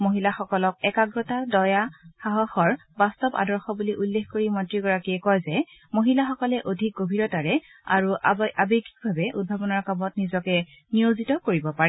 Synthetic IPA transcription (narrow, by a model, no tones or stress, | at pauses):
moɦilaxɔkɔlɔk̚ɛkaɡɹɔtadɔjaxaɦɔxɔɹbastɔba̰dɔɹxɔbuliʔulːexkoɹimɔntɹiɡɔɹakiɛkɔjzɛ | moɦilaxɔkɔlɛʔodʱik̚ɡobʱiɹɔtaɹɛ | a̰ɹuʔabeɡik̚bʱabɛʔṵd̚bʱabɔnɔɹkamɔtnizɔkɛ | nijozitɔkoɹibɔpaɹɛ